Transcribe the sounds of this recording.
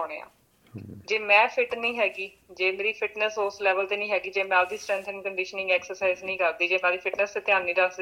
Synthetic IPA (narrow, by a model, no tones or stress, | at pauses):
oːnḛːã̰ː | d͡ʒeːmɛ̃ːpʰɪʈnĩːɦɛːɡiː | d͡ʒeːmeːɾiːpʰɪʈnəsʊslɛːʋəlt̪eːnĩːɦɛːɡiːd͡ʒeːmɛ̃ːld̪iːsʈɾɛ̃ːnt̪ʰə̃ŋkəɳɖɪʃənɪ̃ŋɡɛːksəɾsaːɪznĩːkəɾd̪iːd͡ʒeːmɛ̃ːd̪iːpʰɪʈnəst̪eːt̪ɪjãːnːĩːd̪əsd̪i